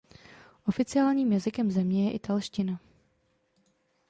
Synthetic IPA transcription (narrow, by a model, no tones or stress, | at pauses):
ʔo̞fɪt͡sɪaːlɲiːmjazɪkɛmzɛmɲɛjɛʔɪt̪alʃcɪna